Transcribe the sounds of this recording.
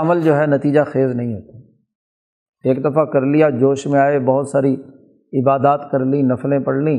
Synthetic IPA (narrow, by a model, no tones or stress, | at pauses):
məld͡ʒoːɦɛnɐt̪iːd͡ʒaxeːznɐɦĩɦoːt̪aː | eːkd̪ɐfakɐɾlijad͡ʒoːʃmẽaːebɐɦʊt̪saːɾi | ɪbaːd̪aːt̪kɐɾlĩnɐflẽpɐɽlĩː